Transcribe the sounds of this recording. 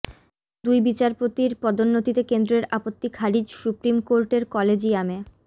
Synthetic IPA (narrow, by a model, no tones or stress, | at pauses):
d̪ujbit͡ɕaɾpot̪iɾpɔd̪onːot̪it̪ekend̪ɾeɾapot̪ːikʰaɾid͡ʑsupɾimkoɾʈeɾkɔled͡ʑiame